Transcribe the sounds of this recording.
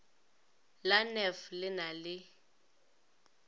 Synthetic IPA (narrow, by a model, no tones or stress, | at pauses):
lanɛflɪnalɪ